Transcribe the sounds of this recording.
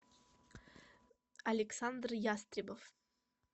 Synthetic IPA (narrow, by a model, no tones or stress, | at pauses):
ɐlʲɪksand̪rjast̪ɾʲɪbəf